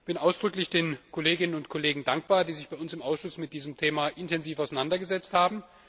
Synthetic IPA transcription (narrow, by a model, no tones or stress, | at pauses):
b̥ɪnʔaʊsd̥ʁʏklɪçd̥eːnkʰoleːɡɪnənʊntkʰɔleːɡŋ̩daŋk̚b̥aːɐdiːzɪçb̥aɪʊnsɪmʔaʊsʃʊsmɪt̚d̥iːzəmtʰeːmaʔɪntɛnziːfaʊsaɪnandɐɡəzɛt͡sthaːbm̩